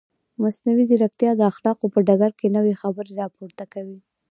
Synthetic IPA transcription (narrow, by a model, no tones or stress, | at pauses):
masnawizɪɾak̚t̪jɑd̪əaxlɑqopəɖaɡaɾkenəwexabəɾeɾɑpoɾt̪akawi